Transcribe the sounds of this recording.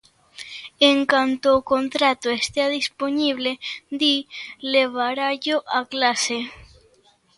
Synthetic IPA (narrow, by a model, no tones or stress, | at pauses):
eŋkant̪oːkont̪ɾat̪oest̪eaðisponiβled̪ileβaɾaʝoʔaklase